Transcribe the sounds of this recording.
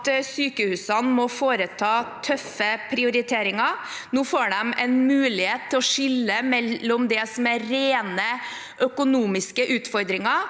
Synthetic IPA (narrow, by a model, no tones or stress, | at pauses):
t̪syːkəhʉːsɑnmɔfoːɾət̪ʰɑːt̪ʰœfːəpʰɾɪʊɾɪt̪ʰeːɾɪŋɑɾnuːfoːɖɛmɛnmʉːlɪheːt̪ʰːɪlɔʂɪlːəmɛlːɔmd̪ɛsɔmæɾeːnə | ʔœkʊnuːmɪskəʔʉːt̪fɔɾd̪ɾɪŋɑ